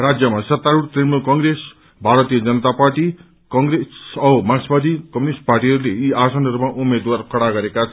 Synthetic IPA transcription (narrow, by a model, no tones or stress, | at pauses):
rad͡zjʌmasʌt̪ːaɾuɽt̪emukʌŋɡɾes | bʱaɾʌt̪ijʌd͡zʌnʌt̪aparʈi | kʌŋɡɾesʌmasbʌd̪ʱikʌminisʈ̚parʈiɦʌɾuleiasʌnʌɾumaʔumed̪warkʌɽaɡʌɾekat͡sʰʌ